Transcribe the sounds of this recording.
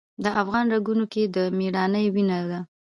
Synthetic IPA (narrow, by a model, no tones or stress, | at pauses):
d̪əʔafɣɑnɾaɡunoked̪əmiɽɑnəjwinad̪a